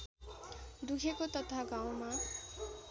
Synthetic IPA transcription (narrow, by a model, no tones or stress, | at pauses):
d̪ukʰekot̪ɔt̪ʰaɡawma